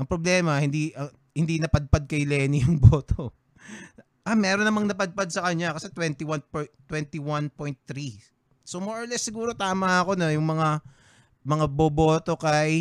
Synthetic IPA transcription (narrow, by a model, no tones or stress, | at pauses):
ʔɐŋpɾoblɛːmɐhɪnd̪iʔɐ | hɪnd̪inɐpɐd̪̚pad̪̚kɐjlɛːnijʊŋboːt̪o | ʔamɛːɾonɐmɐŋnɐpɐd̪̚pad̪̚sɐkɐɲːakɐsɛt̪wɛnt̪iwanpot̪ːwɛnt̪iwanpojnt̪ːɾi | somoɹʔoɹlɛsːɪɡuːɾo̞t̪aːmɐɐko̞no̞jʊŋmɐŋa | mɐŋaboːbo̞ːt̪o̞kɐj